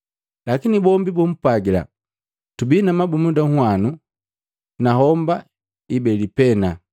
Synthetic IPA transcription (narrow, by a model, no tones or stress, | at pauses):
lakinibɔmbibum̩paɡila̰ | tubinamabumudaŋwanu | naɦɔmba | ibɛlipɛna